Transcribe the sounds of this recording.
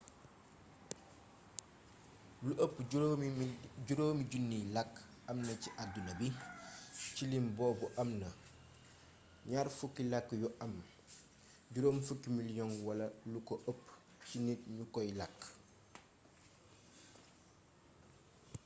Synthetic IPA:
luʔəpː | ɟuɾoːmiɟunːilak | ɐmnɐciʔadunɐbi | cilimboːbuʔɐmnɐ | ɲaːɾfukilakːjuʔɐm | ɟuɾoːmfukːimiljonwɐlɐlukoʔəpː | t͡ʃinitɲukojlak

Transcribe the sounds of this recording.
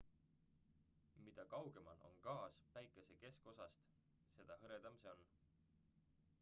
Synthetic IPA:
mid̪̥ɑkɑwɡ̥e̞mɑnʔo̰nkɑːspæjkːˑe̞se̞ke̞sko̞sɑst̪ | se̞d̪̥ɑhɤɾed̪̥ɑmseon

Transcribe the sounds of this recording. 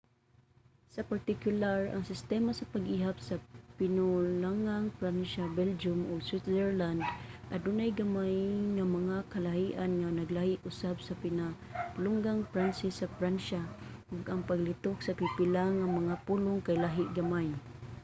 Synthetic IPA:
sapaɾt̪ɪkjʊlaɹa̰ŋsɪst̪ɛmasapaɡʔiɦap̚sapɪnʊlaŋaŋpɾanʃabɛld͡ʒʊmʔʊɡswit̪dɛɹland̪ʔadunajɡamajŋamaŋakalahiʔanŋanaɡlahɪʔʊsabsapɪnalʊŋɡaŋfɾansɪsːafɾanʃaʔʊɡaŋpaɡlit̪ʊksapipɪlaŋamaŋapulʊŋkajlaɦɪʔ̪̚ɡamaj

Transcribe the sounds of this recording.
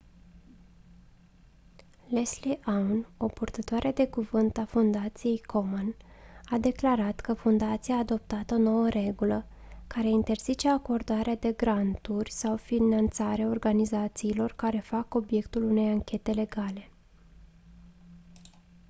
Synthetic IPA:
lesliʔawno̞purt̪ət̪oaɾed̪e̞kuvɨnt̪afund̪at̪sije̞jkʰomonad̪e̞klaɾat̪kəfund̪at̪sijaːd̪o̞p̚t̪at̪əono̞wəɾe̞ɡulə | kaɾe̞int̪e̞rz̥it͡ʃe̞ako̞rd̪aɾead̪e̞ɡɾant̪urʲsawfinant̪saɾeao̞rɡanizat̪siːlo̞rkaɾe̞fako̞bje̞kt̪ulune̞jaŋkʲe̞t̪e̞le̞ɡale̞

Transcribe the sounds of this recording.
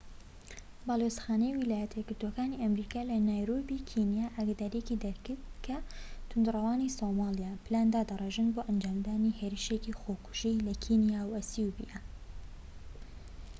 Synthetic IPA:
baːlosxaːnejwilaːjɛt̪ʰeɡɨɾd̪okaːniʔɐmɾiːkaːlɐnajɾoːbikʰinjaːʔaɡad̪aːɾijekid̪ɐɾkɨɾt̪kʰɐt̪ʰʊnd̪rɐwaːnisomɑlijaːpʰɨlaːnd̪aːd̪ɐreʒɨnboːʔɐnd͡ʒaːmd̪aːniheɾiʃekixoːkʰʊ̥ʒilɐkʰinijawɐsiubḭja

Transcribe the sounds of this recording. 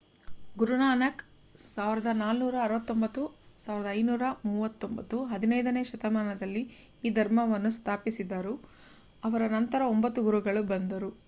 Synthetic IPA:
ɡuɾunaːnɐk | saːʋiɾɐd̪ɐnaːlnuːɾɐːɾʋɐt̪ːo̞mbɐt̪ːusaːʋiɾɐd̪ɐːjnuːɾɐmuːʋɐt̪ːo̞mbɐt̪ːuɦɐd̪inɐjd̪ɐne̞ːʃɐt̪ɐmaːnɐd̪ɐlːiː | d̪ʱɐɾmɐʋɐnːust̪ʰaːpisid̪ːɐɾu | ɐʋɐɾɐnɐnt̪ɐɾɐombɐt̪ːuɡuɾuɡɐɭubɐnd̪ɐɾu

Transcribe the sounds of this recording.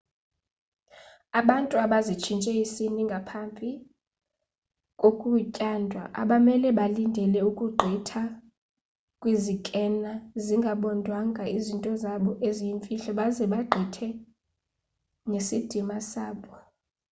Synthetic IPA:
aɓantʼuaɓazit͡ʃʰint͡ʃʼɛisiniŋɡʱapʰambʱi | kʼokʼucʼandʱwa̰ʔa̰ɓamɛlɛɓalindʱɛlɛukʼuɡ͡ǃʱitʰa | kʼwizikʼɛnaziŋɡʱaɓɔndʱwaŋɡʱaizintʼɔzaɓɔʔezijiɱfʼiɬɔɓazɛɓaɡ͡ǃʱitʰɛ | ŋesid̥ʱimasaːɓɔ

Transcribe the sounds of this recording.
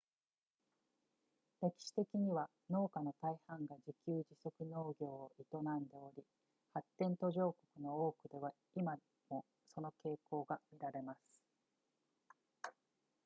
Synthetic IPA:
ɾe̞kʲi̥ɕi̥t̪e̞kʲiɲ̟iβa | no̞ːkano̞t̪aihãŋɡad͡ʑikʲɨːd͡ʑiso̞kɯ̟no̞ːɡʲo̞ːʔit̪o̞nãnd̪e̞o̞ɾʲi | hat̪ːẽ̞nt̪o̞ʑo̞ːko̞kɯ̟no̞oːkɯ̟d̪e̞βa | ima | mo̞ | so̞no̞ke̞ːko̞ːɡamʲiɾaɾe̞masɨ̥

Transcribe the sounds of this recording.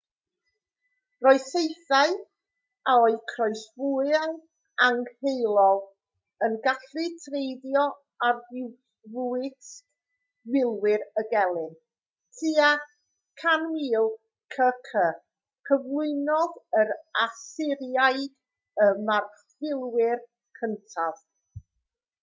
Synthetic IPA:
rɔɨsejθaɨ | aɔɨkʰrɔɨsvuɨan | aŋhejlˠɔlˠ | ənɡaɬɨtʰrejdjɔ | arɪw | vuɨs | wɪlˠwɪɾəɡɛlˠɪn | tʰia | kʰanwiːlˠ | kʰəkʰə | kʰəvlˠʊɨnɔðəɾasɪɾjajd̥ | əmarfɪlˠwɪr | kʰəntʰav̥

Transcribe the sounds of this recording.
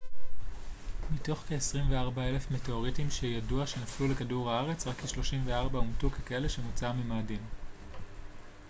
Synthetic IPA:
mito̞χkeːsʁimveaʁbae̞le̞fmeteoʁitimʃejaduaʃe̞naflulekaduʁhaaʁe̞t͡sʁakːeʃlo̞ʃimveaʁbaumtukekae̞le̞ʃemut͡samimaːdim

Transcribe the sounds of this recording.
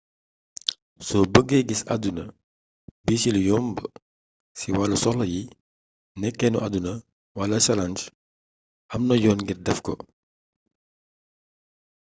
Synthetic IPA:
sɔbəɡːɛɡisɐ̰dunɐ | bisiljɔmbə | siwalːɐsɔxlɐji | nɛkːɛnuʔadunɐ | wɐlɐsɐlɐnd͡ʒ | ʔɐmnɐjɔːnɡirdɛfkɔ

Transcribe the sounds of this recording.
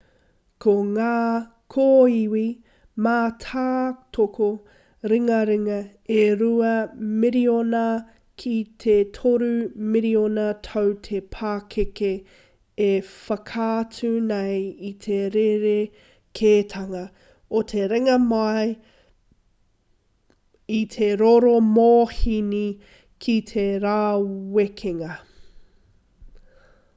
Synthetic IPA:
kʰoŋaː | kʰoiwi | maːtʰaːtʰokʰo | ɾiŋɐɾiŋɐ | eɾuɐmiɾionɐ | kʰit̪ʰetʰoɾʉmiɾionɐtʰowtʰepʰaːkʰeke | efɐkʰaːt͡sʉnɐjit̪ʰeɾeɾe | kʰeːtʰɐŋɐ | ot̪ʰe̞ɾeŋɐmaj | it̪ʰeɾoɾomoːhini | kʰitʰeɾaːwekʰeŋɐ

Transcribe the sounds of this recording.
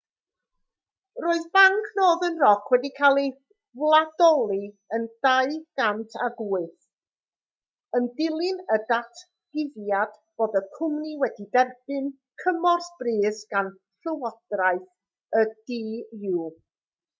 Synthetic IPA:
roːɨðbaŋkʰnoːðənrɔkʰwɛdikʰalˠi | vlˠadɔlˠi | ənd̥aɨɡ̥amtʰaɡuːɨθ | əndɪlˠɪnədatʰ | ɡ̥ɪvjad̥b̥oːdəkʰʊmniwɛdidɛrb̥ɨn | kʰəmɔrsb̥riːsɡ̥an | ɬəwɔd̥raɨθ | əd̥iːjuː

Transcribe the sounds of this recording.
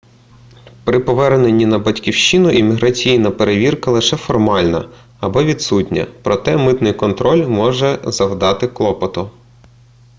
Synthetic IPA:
pɾɪpɔʋɛrnenʲːinɐbɐtʲkʲiwʃt͡ʃinʊʔimʲiɦɾɐt͡sʲijnɐpeɾeʋʲirkɐlˠɪʃɛfɔrmɑlʲnɐ̰ | ɐbɔʋʲid̪sutʲnʲɐ̰pɾɔt̪ɛmɪt̪nɪjkɔnt̪ɾɔlʲmɔʒɛzɐwd̪ɑt̪ɪklˠɔpɔt̪ʊ

